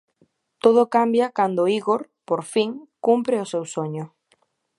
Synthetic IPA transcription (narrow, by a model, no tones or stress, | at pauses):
t̪oðʊkambjakand̪oiɣoɾ | poɾfiŋkumpɾɪosewsoɲʊ